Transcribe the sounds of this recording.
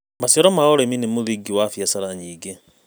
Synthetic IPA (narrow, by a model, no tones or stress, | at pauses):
masjɔɾɔmaɔɾeminemoðiɡiwafjasaɾaɲiːɡe